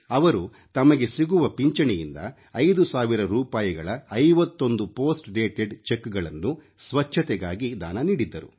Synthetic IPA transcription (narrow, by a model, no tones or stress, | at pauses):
ɐʋɐɾu | t̪ɐmɐɡe̞siɡuʋɐpiɲt͡ʃɐɳɛjind̪ɐ̰ | ɐjd̪usaːʋiɾɐɾuːpaːjɐɡɐɭɐɐjʋɐt̪ːo̞nd̪upo̞ːsʈɖeːʈeɖt͡ʃekːɡɐɭɐnːu | sʋɐt͡ʃʰːɐt̪ɛɡaːɡid̪aːnɐniːɽid̪ːɐɾu